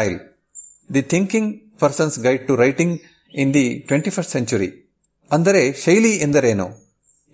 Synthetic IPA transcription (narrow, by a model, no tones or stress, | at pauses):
jl | d̪it̪ʰĩŋkĩŋɡ | pɐɾsɐ̃nsɡɐjɖ̚ʈuɾɐjʈĩŋɡ | ĩnd̪iʈʋẽɳʈipʰɐst̪sẽɲt͡ʃuɾḭ | ɐnd̪ɐɾeʃɐjliend̪ɐɾeːnu